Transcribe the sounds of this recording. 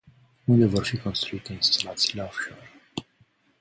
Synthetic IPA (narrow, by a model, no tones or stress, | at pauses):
und̪e̞vo̞rfiko̞nst̪ɾuit̪einst̪alat̪siːleofʃor